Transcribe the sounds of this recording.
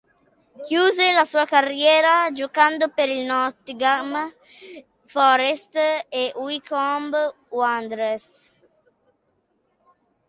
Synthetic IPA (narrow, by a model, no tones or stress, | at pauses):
kjuːzelasuːakarjɛːɾad͡ʒokand̪opeɾilnɔt̪iɡam | fɔɾest̪eʔwikɔmb | wand̪ɾes